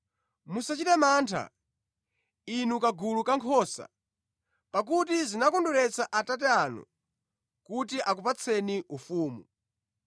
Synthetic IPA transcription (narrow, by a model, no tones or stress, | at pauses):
musat͡ʃitɛmaːntʰa̰ | inukaɡulukaŋkʰɔːsa̰ | pak̬utizinakɔnduɾɛt͡sʰaʔatat̬ɛanṵ | kutiʔak̬upat͡sʰɛniʔufuːmu